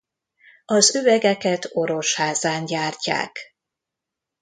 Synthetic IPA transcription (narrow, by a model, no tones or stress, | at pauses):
ɒzøvɛɡɛkɛt̪o̞ɾo̞ʃhaːzaːnɟaːrca̰ːk